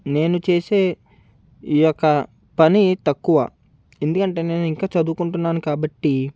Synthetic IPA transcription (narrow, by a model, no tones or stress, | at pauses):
ne̞ːnut͡ʃe̞ːse̞ː | ijɔkːɐ | pɐnit̪ɐkːuʋɐ̰ | e̞nd̪ukɐɳʈe̞ːne̞ːnuiŋkaːt͡ʃɐd̪uːkuɳʈunːaːnukaːbɐʈːi